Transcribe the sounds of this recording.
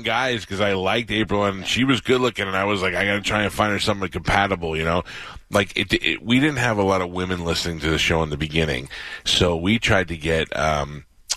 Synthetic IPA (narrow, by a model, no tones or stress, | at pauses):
ɡaɪz̥kʰʌzaɪlaɪk̚teɪpɹl̩ˠə̃nʃiwʌzɡʊdˡlʊkɪ̃ŋɨ̃naɪwʌzlaɪkaɪɡɑɾɨtʰɹ̥aɪ̃ŋtʰɨfãɪ̃ndəsʌ̃mwʌ̃nkʰɨ̃m̩pʰæɾəbl̩ˠjɨñoʊlaɪkʰɨt̚d̥̰widɪdⁿn̩t̚ɨvəlɔɾʌvwɪ̃mɨ̃nlɪsnɪ̃ŋtʰɨðɪsʃoʊə̃nðɨbɨɡɪ̃nɪ̰̃ŋsoʊwitʰɹ̥aɪd̚tɨɡɛt̚ʌ̰̃m